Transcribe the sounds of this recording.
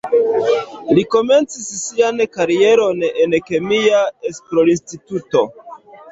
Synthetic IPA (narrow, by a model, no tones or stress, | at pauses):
liko̞me̞nt͡sisːiankaɾie̞ɾo̞ne̞nke̞miaespɾolinstituto̞